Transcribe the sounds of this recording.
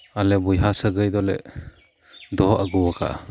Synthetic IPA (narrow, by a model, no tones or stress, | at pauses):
alɛbujɦasəɡɯjd̪ɔlɛ̰ | d̪ɔɦʔaɡɯwakʰa̰ʔa